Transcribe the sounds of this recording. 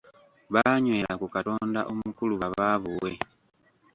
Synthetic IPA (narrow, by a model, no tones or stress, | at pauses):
βaɲwe̞ːlakukato̞ːnda̰ʔomukuluβaβaːβuwe̞